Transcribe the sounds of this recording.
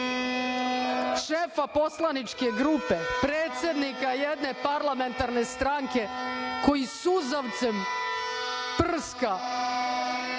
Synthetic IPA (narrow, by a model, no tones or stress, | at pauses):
ʃefapo̞slanit͡ʃkeɡɾupepɾeːt̪sʲje̞d̪nikajed̪ne̞paɾlˠame̞nt̪aɾne̞st̪ɾaŋke̞ko̞jisuzaʋt̪sem | pr̩ska